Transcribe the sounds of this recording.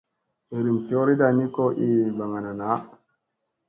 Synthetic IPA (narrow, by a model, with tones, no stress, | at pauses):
e˨ɾi˨mti˨o˦ɾi˦da˨ni˦ko˦ʔi˦ba˨ŋa˨na˨na˨˦